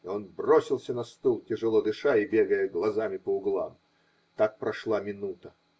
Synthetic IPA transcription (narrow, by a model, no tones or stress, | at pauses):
onbrosʲɪlˠsʲənɐst̪ulˠtʲɪʐɨlˠod̪ɨʂaɪbʲeɡəjəɡlˠɐzamʲɪpəʊɡlˠa̰m | t̪ak̚pɾɐʂlˠamʲɪnut̪ə